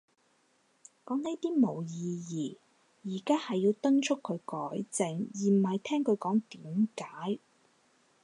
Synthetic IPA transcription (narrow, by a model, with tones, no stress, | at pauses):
kɔː˨˥ŋne˨˥jt̪iː˥mo˨˩wjiː˨˧jiː˨˩ | jiː˨˩kaː˥hɐ˨jːiː˧wt̪ɐ˥nt͡ʃʰʊ˥kʰːɵ˨˧ɥkɔː˨˥jt͡sɪ˨ŋjiː˨˩m̩˨˩ɐ˨jt̪ʰɛː˥ŋkʰɵ˨˧ɥkɔː˨˥ŋt̪iː˨˥mkaː˨˥j